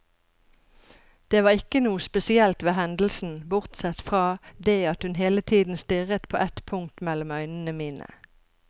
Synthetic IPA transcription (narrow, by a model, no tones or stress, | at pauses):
d̪̥eːʋɑːʁɪkənuːəspɛsɪɛlt̪ʋeːhɛnd̪l̩sn̩bʊʁt̪sɛt̪fʁɑːd̪eːɑt̪hʉnɦeːlət̪ʰiːd̪n̩st̪ʏʁət̪pʰo̰ːʔɛt̪pʰʊŋ̚t̪mɛlɔmœʏnən̩əmiːnə̰